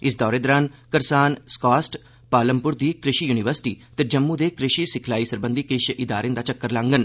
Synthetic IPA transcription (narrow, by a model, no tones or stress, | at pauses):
ɪsd̪ɔːɾeːd̪əɾankəɾsaːnskaːsʈ | paːləmpʊɾd̪iːkɾɪʃiːjuːnɪʋəɾsɪ̥ʈḭːt̪ed͡ʒəmːũːd̪eːkɾɪʃiːsɪkʰlaːiːsəɾbə̃nd̪iːkeʃʔɪd̪aːɾẽnd̪aːt͡ʃəkːəɾlãːŋɡən